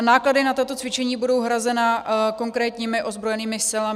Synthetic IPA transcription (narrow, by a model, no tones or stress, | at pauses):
naːkladɪnat̪at̪o̞t͡svɪt͡ʃɛɲiːbudo̞wɦɾazɛnako̞ŋkɾɛːt̪ɲiːmɪʔo̞zbɾojɛniːmɪsɪla